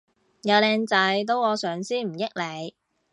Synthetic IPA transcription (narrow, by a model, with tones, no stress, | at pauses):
jɐ˨˧wlɛː˨˧ŋt͡sɐ˨˧jt̪̬o˥wɔː˨˧sœː˨˧ŋsiː˥m̩˨˩jɪ˥k̚le˨˧j